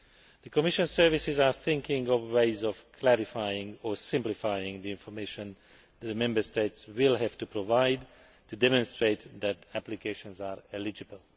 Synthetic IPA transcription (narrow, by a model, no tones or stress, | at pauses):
d̪̥əkɔmiʃɔ̃nsɛɹvisɪzaɹθɪ̃ŋkɪ̃ŋɡɔvweɪzɔvkʰlæɾifajɪ̃ŋɡɔɹsɪ̃mplifajɪ̃ŋd̪iɪ̃nfɔɹmeʃɔ̃n | d̪ɛd̪mɛ̃mbəɹsteɪtswɪlɦɛv̥tupɾovajd | tudɛmɔ̃nst̪ɹeɪt̪d̪ɛt̪æplikeʃɔ̃nzaɹɛlid͡ʒɨbəl